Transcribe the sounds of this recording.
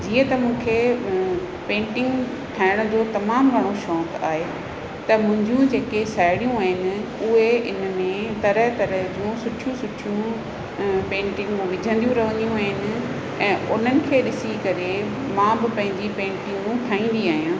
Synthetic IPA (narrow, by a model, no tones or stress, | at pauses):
d͡ʑiːə̃t̪ɐmũːkʰe | pẽːɳʈɪ̃ŋɡ | ʈʰaːɪɽ̃ʊd͡ʑoːt̪ɐmaːmɡʱɐɽ̃oʃɔːka̰ːɦe | t̪ɐmʊ̃ɦɪ̃ɲd͡ʑjũd͡ʑeːkesaːɪɽijũaːɦɪnɪ̆ | ʊɦeɪnmẽt̪ɐɾəɦt̪ɐɾəɦd͡ʑũsʊʈʰjũsʊʈʰjũ | pẽːɳʈɪ̃ŋɡmũʋɪd͡ʑʱə̃nd̪ijũɾɐʋə̃nijũaːɦɪnɪ̆ | ɛ̃ːʊn̤ənɪ̆kʰeːɗɪsikɐɾe | mãːbɪpɐ̃ɦɪ̃ɲd͡ʑipẽːɳʈɪ̃ŋɡ̃ʈʰaːĩːn̆d̪iaːɦijũ